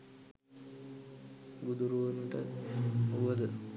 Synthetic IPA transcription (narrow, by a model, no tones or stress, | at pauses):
ɡud̪uɾuʋənuʈə | uʋəd̪ə